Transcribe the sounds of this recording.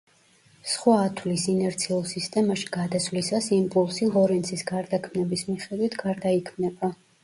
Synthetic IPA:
sχwaːt̪ʰwlisinɛɾt̪sʰiulˠsist̪ʼɛmaʃi̥ɡad̪aswvlisasimpʼulˠsiʁɔɾɛnt̪sʰisɡaɾd̪akʰmnɛbismiχɛd̪wit̪ʰɡaɾd̪aikʰmnɛba

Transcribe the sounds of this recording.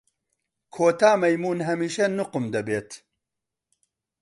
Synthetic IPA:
kʰoːt̪aːmɐjmuːnɦɐmiːʃɐnʊqɨmd̪ɐbeːt̪

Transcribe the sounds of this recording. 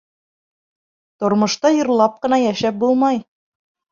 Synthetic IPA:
t̪ŏɾmɤ̆ʃt̪ɑjɤ̆ɾlˠɑp̚qɤ̆nɑjæʃæp̚bulˠmɑj

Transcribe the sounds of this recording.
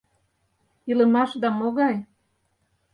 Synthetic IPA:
ilə̆mɑʃd̪ɑmoɣɑj

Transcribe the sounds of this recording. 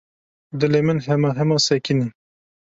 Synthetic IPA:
d̪ɨlemɨnɦɛmɑɦɛmɑːsɛkini

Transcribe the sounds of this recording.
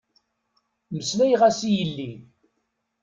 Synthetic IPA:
məslæjʁæsijəlːi

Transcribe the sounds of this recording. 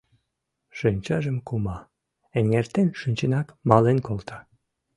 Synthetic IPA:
ʃynʲt͡ɕɑʒəmkumɑ | əŋːert̪enʃynʲt͡ɕenɑkmɑlenkolt̪ɑ

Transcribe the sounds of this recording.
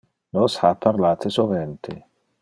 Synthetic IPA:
nɔshapʰːaɾlaːt̪ʰesovɛnt̪ʰe

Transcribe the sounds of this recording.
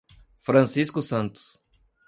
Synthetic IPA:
fɾɐ̃siskʊsɐ̃nt̪ʊ̥s

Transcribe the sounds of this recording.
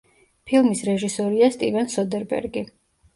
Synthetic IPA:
pʰilˠmisɾɛʒisɔɾiast̪ʼivɛnsɔd̪ɛɾbɛ̰ɾɡi

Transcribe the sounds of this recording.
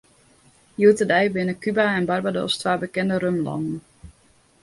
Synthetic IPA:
juwtədɛjbɪnəkybaɛnbarbado̰stʋaːbəkɛndəɾømlɑ̰ndən̩

